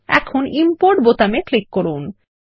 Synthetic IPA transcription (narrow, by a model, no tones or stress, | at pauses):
ɛ̰kʰonimpoɾʈbot̪ameklikːoɾun